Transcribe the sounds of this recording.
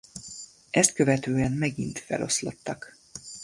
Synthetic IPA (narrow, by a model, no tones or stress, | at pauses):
ʔɛst̪̚kø̞vɛt̪øːɛnmɛɡint̪fɛ̰lʔo̞slo̞̰t̪ːɒk